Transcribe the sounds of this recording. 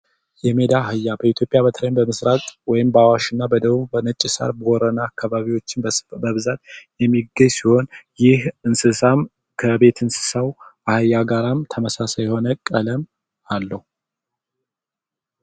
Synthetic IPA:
jɛme̞d̪ahɨjːabəit̪ʰjo̞pʼːjaβət̪ʰlənbəmɨsɾakʼwɔjɪmbəawaʃɨnːabəd̪əβubənət͡ʃʼːɪsa̰ɾbəɔɾənaːkʰːaβaβiwo̞t͡ʃːɪnbəβzat̪jɛmːiɡəɲsiho̞njɪhɨnsɨsam | kʰəbe̞t̪ʰɨnsɨ̥sawʔahɨjːaɡaɾamt̪ʰəməsasajɛho̞nəkʼːələm | alːəhu

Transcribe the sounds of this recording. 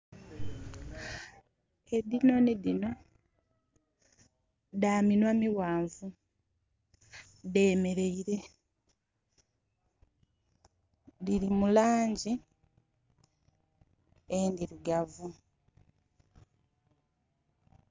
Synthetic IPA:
eðino̞niðino̞ | ðaːminwamiwaːɱvu | ðe̞ːme̞ɾe̞iɾe̞ | ðiɾimulaːɲɟi | endiɾiɡavu

